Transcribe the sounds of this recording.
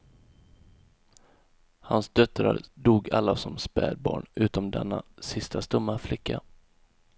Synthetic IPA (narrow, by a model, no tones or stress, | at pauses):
hansd̪œt̪ɾaɾd̪uːɡalːasɔmspɛːd̪̚bɑːɳʉ̟ːt̪ɔmd̪ɛnːasɪst̪ʰast̪ɵmːaflɪkːa